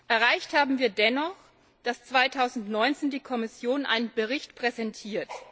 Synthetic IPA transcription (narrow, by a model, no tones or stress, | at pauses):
ʔɛɐʁaɪçthaːbm̩viːɐdɛnɔχ | d̥ast͡sv̥aɪtʰaʊzn̩tnɔʏnt͡seːndiːkʰɔmɪsjoːnʔa̰ɪnənbəʁɪçtpʁ̥ɛzɛntʰiːɐt